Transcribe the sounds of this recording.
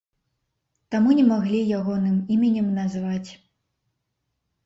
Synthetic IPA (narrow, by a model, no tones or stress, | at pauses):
t̪amunʲɛmaɣlʲijaɣɔnɨmimʲɐnʲɛmnazvat͡sʲ